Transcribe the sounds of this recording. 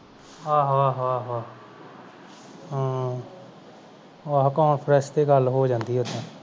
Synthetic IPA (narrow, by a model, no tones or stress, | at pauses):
aːɦoaːɦoaːɦaː | aɦkɔːɳpʰɾɛst̪eːɡəlɦoːd͡ʒãːnd̪iːɦɛʊd̪ãː